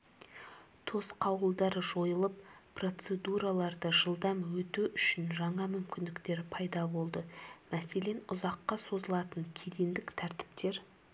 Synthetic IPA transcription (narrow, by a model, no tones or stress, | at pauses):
t̪ʰo̞sqʰɑwəlˠd̪ɑɾəʒo̞jəlˠəp̚pro̞t̪se̞d̪uɾɑlˠɑɾd̪əʒəlˠd̪ɑmwɵt̪ɪʏʃɪnʒɑɴɑmʏmkʲɪnd̪ɪkt̪e̞ɾpʰɑjd̪ɑbo̞lˠd̪əmæse̞le̞nʊzɑqːɑso̞zəlˠɑt̪əŋkʲʰed̪end̪ɪkt̪ʰæɾt̪ɪ̥pt̪e̞ɾ